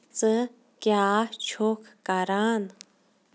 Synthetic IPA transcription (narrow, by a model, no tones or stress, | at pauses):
t͡sə | kjat͡ʃʰokkaɾan